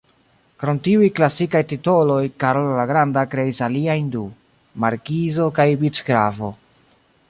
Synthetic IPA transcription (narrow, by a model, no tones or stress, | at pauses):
kɾomtiujklasikajtito̞lo̞jkaɾollaɡɾandakɾe̞isaliajndu | maɾkizo̞kajbit͡sɡɾavo̞